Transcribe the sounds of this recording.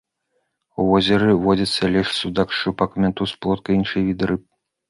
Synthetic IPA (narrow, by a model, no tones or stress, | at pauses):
uvɔzʲɛɾɨvɔd͡zʲɐt̪sːɐlʲɛʂsud̪akt͡ʂɨpɐkmʲɛnt̪usplˠɔt̪kɐjinʂɨjvʲid̪ɾɨp̚